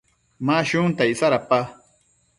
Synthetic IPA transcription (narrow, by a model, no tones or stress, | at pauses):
maʃuŋt̪aisaɾapa